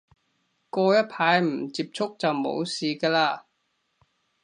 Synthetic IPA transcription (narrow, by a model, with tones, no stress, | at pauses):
kɔː˧jɐ˥t̚pʰaː˨˧˥jm̩˨˩t͡siː˧p̚t͡sʰʊ˥k̚t͡sɐ˨wmo̰˨˥wsiː˨kaː˧laː˧